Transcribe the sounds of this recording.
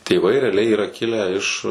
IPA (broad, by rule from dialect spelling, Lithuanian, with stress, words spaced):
tʲeːˈʋɐɪ rʲɛɐˈlʲɛɪ iːˈrɐ ˈkʲɪlʲæː ɪʃ